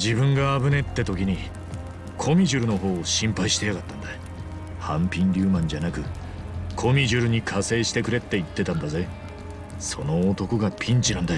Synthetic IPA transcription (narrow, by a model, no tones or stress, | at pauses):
d͡ʑibɯ̟̃ŋɡaːbɯ̟ne̞t̪ːet̪o̞kʲiɲ̟i | kʰo̞mʲiʑɨɾɯ̟no̞ɦo̞ːɕĩmpaiɕi̥t̪e̞jaɡat̪ːãnd̪a | hãmpʲĩnɾʲɨːmãɲ̟d͡ʑanakɯ̟ | kʰo̞mʲiʑɨɾɯ̟ɲ̟ikʰase̞ːɕi̥t̪e̞kɯ̟ɾe̞t̪ːe̞it̪ːe̞t̪ãnd̪aze̞ | so̞no̞ːt̪o̞koɡapʲʰĩɲ̟t͡ɕinãnd̪ajo